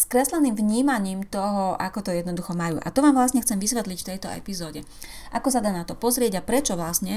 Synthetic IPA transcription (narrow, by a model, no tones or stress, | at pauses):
skɾɛslɛniːmvɲiːmaɲiːmt̪ɔɦɔa̰kɔt̪ɔjɛd̪nɔd̪uxɔmajṵːʔa̰t̪ɔʋaːmʋlasɲɛxt͡sɛmʋisʋɛt̪licft̪ɛjt̪ɔɛ̰pizɔːɟɛʔakɔsad̪aːnat̪ɔpɔzɾɪɛɟapɾɛt͡ʃɔʋlasɲɛ